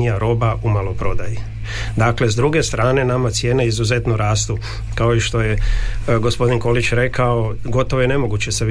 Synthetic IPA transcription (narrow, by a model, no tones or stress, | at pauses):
ijaɾo̞ːbaʔumalo̞pɾo̞d̪aje | d̪akle̞zd̪ɾuɡe̞st̪ɾaːne̞namat̪sje̞ːneizuze̞t̪nuɾaːst̪u | kao̞iʃt̪o̞jeɡo̞spo̞d̪inko̞lit͡ɕɾe̞kaoɡo̞t̪o̞ʋojene̞mo̞ɡut͡ɕeseʋ